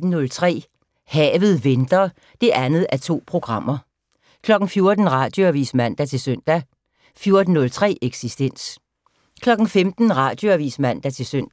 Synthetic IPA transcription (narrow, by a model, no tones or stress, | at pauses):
d̥n̩nɔ̽lt͡sʰʁɛ̰ː | hɛːʋð̞̩ˠʋend̥ɐː | d̥e̝ʔænð̞̩ˠæɐt͡sʰo̝̰ːpʰʁo̝ɡ̥ʁɑ̈m̰ɐ | kʰlɒ̽ɡ̥n̩fjo̝ɐd̥n̩ʁɑ̈ːd̥jo̝æʋḭsmæn̰d̥æt͡sʰe̝søn̰d̥æ | fjo̝ɐd̥n̩ːɔ̽lt͡sʰʁɛ̰ːʔeɡ̥sisd̥en̰s | kʰlɒ̽ɡ̥n̩femd̥n̩ʁɑ̈d̥jo̝æʋḭːsmæn̰d̥æt͡sʰe̝lsøn̰d̥